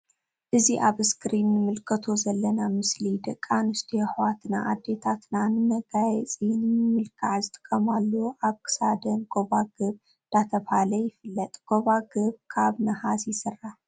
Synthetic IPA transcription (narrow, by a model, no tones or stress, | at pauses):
ʔɨziʔaβɨskʰɾinːɨmɨlkʰɐt̪ʰo̞zɐlːɐnamɨslid̪ɐkʼːanɨst̪ʰiħwat̪naʔad̪ːe̞t̪ʰat̪nanɨmɐɡajɛt͡sʼinɨmɨmɨlkʰaʕzɨt̪ʰʼɨ̥kʼːɐmalːoʔaβkʰɨ̥sad̪ɐnɡo̞βaɡɨβ | nd̪̥at̪ʰɐβhalɐjɪfɨlːɐt̪ʼɡ̥o̞βaɡɨβkʰaβnɐhasjɪsɨrːaħ